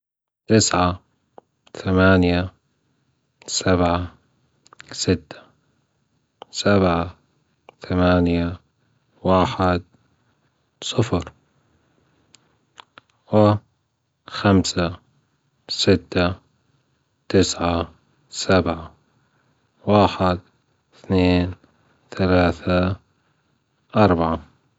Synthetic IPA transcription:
t̪ɪsʕa | θamaːnja | sabʕa | sɪt̪ːḁ | sabʕa | θamaːnja | waːħɪd̪̚ | sˤɨfɾ | wɪ | xamsa | sɪt̪ːa | t̪ɪsʕa | sabʕa | waːħɪd̪ | θneːn | θalaːθa | ʔɑɾˤbaʕa

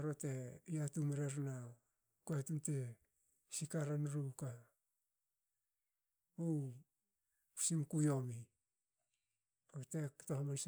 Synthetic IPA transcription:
ɾote̞ijatumeɾeɾna | koetunte | sikaɾanɾuka | u | simkujo̞mi | kote̞ktohmans

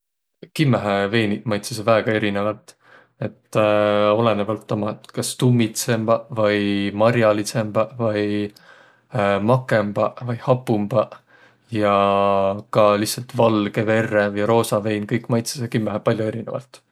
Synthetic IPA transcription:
kimːæɦeve̞ːnimɑjt̪ses̬evæːɡ̥ɑe̞ɾinevɑlt̪ | e̞t̪ː | o̞le̞nevɑlt̪ːomɑt̪kɑst̪umːit̪se̞mb̥ɑvɯjmɑɾjɑlise̞mb̥ɑvɑj | mɑkːˑe̞mb̥ɑvɯjhɑpːumb̥ɑ | jɑ | kɑlihsɑlt̪vɑlɡ̥e̞ve̞rːevɯjɾo̞ːsɑve̞jnkɤjkːˑmɑjt̪se̥sekimːæɦepɑlʲjoe̞ɾinḛvɑ̰lt̪

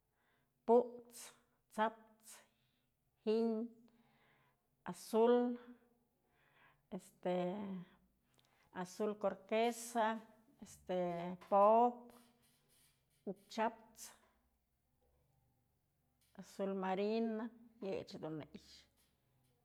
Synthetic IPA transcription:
puʔt͡s | t͡sap̚t͡s | hiɲ | asul | est̪e | asulkoɾkesa | est̪epop | uk̚t͡ʃap̚t͡s | asulmaɾinajet͡ʃd̪uneʔʃ

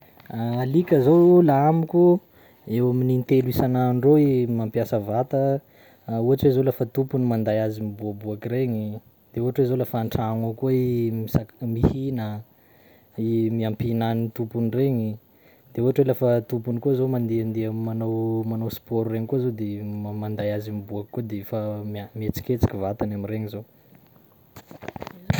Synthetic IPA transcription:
aalikʲəzolaamikʲu | ewaminint̪eluisananɖ͡ʐoimampjasəvat̪ə | uɦaʈ͡ʂwezolafət̪upunimand̪ajazimibuabuakireɲi | d̪̥euɦaʈ͡ʂwezolafaɳʈ͡ʂaŋakuimisamihinə | imiampinanit̪upunireɲi | d̪̥euaʈ͡ʂelafət̪upunikuzomand̪eand̪eəmanowmanowspoɾureɲikozod̪emand̪ajazimibuakkːod̪efamamet͡si̥kʲet͡si̥kʲivat̪anamireɲizo

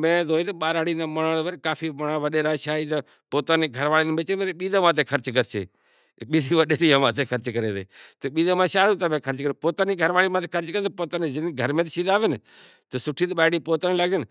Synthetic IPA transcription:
mẽːd̪oːĩːt̪eɓaːɾaːɽiːnaːməɳãːʋəɾkaːpʰiːməɳaːʋəɗeːɾaːʃaːiːt̪a | poːt̪aːneːɡʱəɾʋaːliːnəbeːt͡ʃenmeːɾeɓiːd̪ãːmãːt̪̬eːkʰəɾt͡ʃkəɾt͡ʃḛː | ɓiːd̪iːʋəɗeːɾiːãːmãːt̪ʰeːkʰəɾt͡ʃkəɾḛːt̪ḛːt̪oːɓiːd̪ãːmãːʃaːɾuːt̪aːmẽːkʰəɾt͡ʃkəɾeːpoːt̪aːniːɡʱəɾʋaːliːmaːt̪eːkʰəɾt͡ʃkəɾt̪ːpoːt̪aːneːd͡ʒəniɡʱəɾmẽːt̪ʃiːd̪aːʋɪn | t̪oːsʊʈʰiːt̪ɓaːɽiːpoːt̪aːnːlaɡd͡ʒən

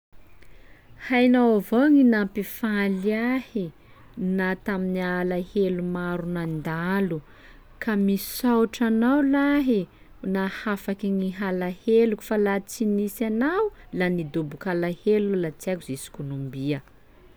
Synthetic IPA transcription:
hajnawavoŋinampifaliahi | nat̪aminialahelumaɾunand̪alu | kami̥sawʈ͡ʂanawlaɦi | nahafakiŋiɦalaheluku̥falat͡sinisanawlanid̪obukalahelulat͡sakuzisi̥konombiə

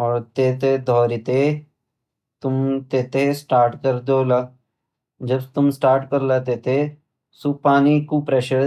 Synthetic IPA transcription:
ɔːɾt̪eːt̪ed̪ʱɔːɾit̪e | t̪ʊmt̪eːt̪esʈaːɾʈkɐɾd̪oːla | d͡ʒɐbt̪ʊmsʈaːɾʈkɐɾlat̪eːt̪e | supaːnikupɾeːʃəɾ

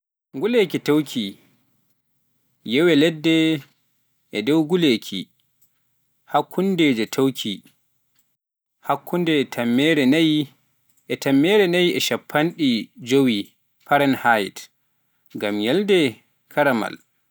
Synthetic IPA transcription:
ɡulekitawkʰi | jɛwɛlɛdːɛ | ʔɛdɔwɡulekʰḭ | hakʰːundɛd͡ʒɛtʰawkʰi | hakːundɛtʰamːɛɾɛ | ɛtamːɛɾɛnajɛʃapʰːanɗid͡ʒowi | paɾɛnhajt | ɡamjɛldɛ | kʰaɾama̰l

